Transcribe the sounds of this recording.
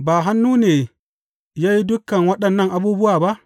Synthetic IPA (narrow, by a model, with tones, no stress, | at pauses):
baː˨ɦa˦nːuː˦neː˨ | jaː˦ji˦dʊ˦kːɐ˨ŋwɐ˦ɗɐ˨nːɐ˦ŋʔa˨buː˦bʊ˦waː˨ba˦ʔ